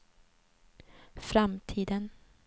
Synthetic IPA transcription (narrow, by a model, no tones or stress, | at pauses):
fɾamt̪ʰiːd̪ən